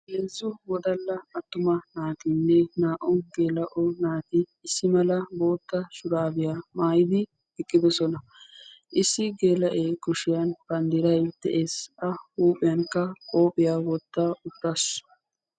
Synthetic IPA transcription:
heːzːʊwɔd̪ɐlːɐɐt̪ːʊmɐnaːt̪ɪnːɛnaːʔɔɡeːlɐʔɔnaːt̪ɪːsːɪmɐlɐbo̞ːt̪ːɐʃʊɾaːbɪjamaːjɪd̪ɪ | ɛkʼːɪd̪ɔsɔnɐ | ʔɪsːɪɡe̞ːlɐʔeːkʊʃɪjɐnbɐnd̪ɪɾɐjd̪̥ɛʔeːsɐhuːpʼɪjɐnkːɐkʼo̞ːpʼːɪjawɔt̪ːaʊt̪ːɐsɔ̥

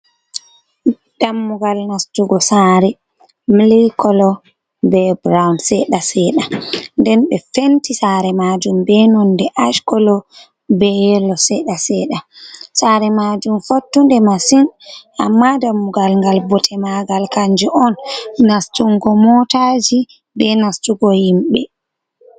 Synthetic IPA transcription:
d̥amːuɡalnastuɡɔsaɾɛ | mlikɔlɔ | bɛbɾawnsɛɗasɛɗandɛnɓɛfentisaɾɛmad͡ʒumbɛnɔndɛʔaʃkɔlɔ | bɛjɛlɔsɛɗasɛɗasaɾɛmad͡ʒumfotːundɛmasina̰mːadamuɡalŋɡalbɔtʰɛmaɡalkaɲd͡ʒɛʔɔnːastuŋɡɔmɔtad͡ʒi | bɛnastuɡɔjimɓɛ̰

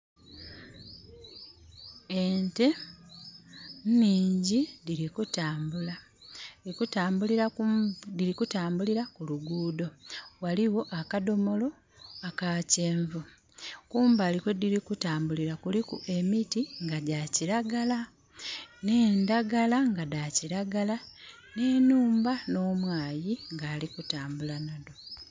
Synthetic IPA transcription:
ente̞ | nniːɲɟidiɾikutaːmbula | ikutaːmbuliɾadiɾikutaːmbuliɾakuluɡuːdo̞waliwo̞ʔakado̞mo̞lo̞ | akace̞ːɱvu | kuːmbalikediɾikutaːmbuliɾakulikṵe̞mitiŋɡaɟaciɾaɡala | ne̞ːndaɡalaŋɡadaciɾaɡala | ne̞ːnuːmbano̞ːmwaːjiŋɡaːlikutaːmbulanado

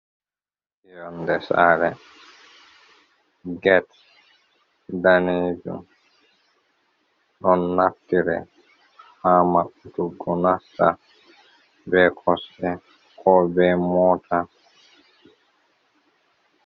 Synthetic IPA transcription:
ijɔnd̪ɛsa̰ɾɛ | ɡɛt | d̪aned͡ʒṵ | ɗɔnːap̚tiɾɛ̰ | hamaʔut̪uɡɔnasa̰ | bɛkʰɔsɛ | kʰɔbɛmɔtʰa

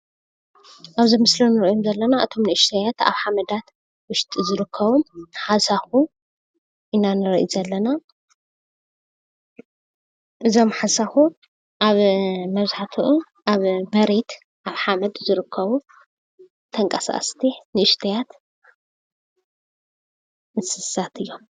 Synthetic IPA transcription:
ʔaβzimɨslonɨɾʔjomzɐlːɐnaʔɨt̪ʰo̞mnɨʔɨʃt̪ʰɐjat̪a̰βħamɐd̪at̪ | wʊʃt̪ʼizɨɾɨkʰːɐβuħasaxu | ʔɨnːanɨɾɐʔḭzɐlːɐna | ʔɨzo̞mħasaxu | ʔaβmɐβzħat̪ʰuʔu | ʔaβmɐɾet̪ | ʔaβħamɐd̪zɨɾɨkʰːɐβu | t̪ʰɐŋkʼɐsa̰ʔʼst̪ʰinɨʔɨʃt̪ʰɐjat̪ | mɨsɨsat̪ʰɨjːo̞m

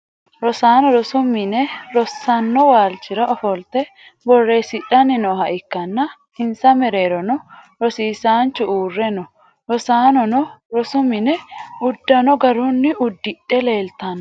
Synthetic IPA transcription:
ɾɔsaːnɔɾɔsʊmːɪnɛɾɔsːɐnːɔwaːlt͡ʃɪɾɐɔfɔlt̪ɛ | bɔrːeːsɪᶑɐnːɪnɔːɦɐʔɪkːɐnːɐ | ɪnsɐmɛɾe̞ːɾɔnɔ | ɾɔsiːsaːnt͡ʃːʊuːrːɛnɔ | ɾɔsaːnɔnɔɾɔsʊmɪnɛʊd̪ːɐnɔɡɐɾʊnːɪʔʊd̪ːɪᶑːɛle̞ːlt̪ɐn

